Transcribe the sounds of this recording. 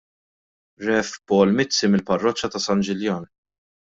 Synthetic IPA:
ɾɛfpɔːlmɪt͡sːimɪlpɐrːɔt͡ʃːɐt̪ɐsɐnd͡ʒɪljɐːn

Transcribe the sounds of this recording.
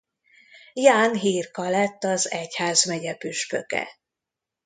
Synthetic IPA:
jaːnɦiːrkɒlɛt̪ːɒzɛchaːzmɛɟɛpyʃpøkɛ̰

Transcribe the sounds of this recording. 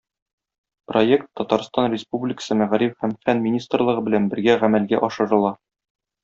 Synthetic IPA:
projekt̪ːɒt̪ɑɾst̪ɑnrʲɪspublʲɪkə̥sɤmæʁɾifhæmfænmʲinʲist̪rlˠɤ̆ʁɤbɘ̆lænbɘ̆ɾɡæʁæmælɡæ̰ʔɒʃɤ̆ɾɤ̆lˠɑ

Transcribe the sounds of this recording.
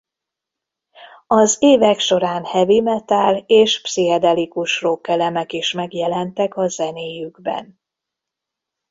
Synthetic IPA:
ɒzeːvɛkʃo̞ɾaːnhɛvimɛt̪aleːʃpsiɦɛd̪ɛlikuʃrokːɛlɛmɛkiʃmɛɡjɛlɛnt̪ɛkɒzɛneːjyɡbɛ̰n

